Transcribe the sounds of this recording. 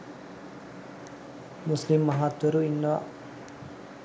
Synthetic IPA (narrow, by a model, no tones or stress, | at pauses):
muslimːɐɦaːt̪wɐɾuinːɐʋa̰